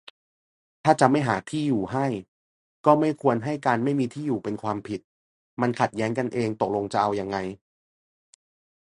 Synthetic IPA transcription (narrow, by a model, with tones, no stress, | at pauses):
t̪ʰaː˥˩t͡ɕa˨˩ma˥˩jɦaː˩˦t̪ʰiː˥˩juː˨˩ɦa˥˩j | kɔː˥˩ma˥˩jkʰu˧ənɦa˥˩jkaː˧nma˥˩jmiː˧t̪ʰiː˥˩juː˨˩pe˧nkʰwaː˧mpʰi˨˩t̪̚ | ma˧nkʰa˨˩t̪̚jɛː˦˥ŋka˧nʔeː˧ŋt̪o˨˩k̚lo˧ŋt͡ɕa˨˩ʔa˧wja˧ŋːa˧j